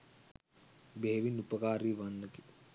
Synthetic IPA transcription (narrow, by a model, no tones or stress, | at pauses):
beɦeʋinupəkaːɾiːʋanːəki